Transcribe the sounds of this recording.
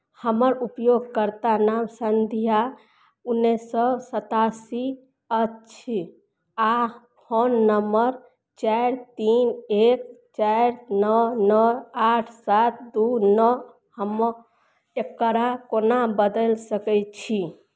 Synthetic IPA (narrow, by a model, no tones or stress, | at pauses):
həməɾupjoɡ̚kəɾt̪anamsənd̪ʱija | unːesɔsət̪asi | ətːt͡ʃʰi | a | honːəməɾ | t͡ʃajɾt̪inekt͡ʃajɾnɔnɔaʈʰsat̪̚ʰd̪unɔ | həm | ekːəɾakonabəd̪əlsəkɛjt͡ʃʰi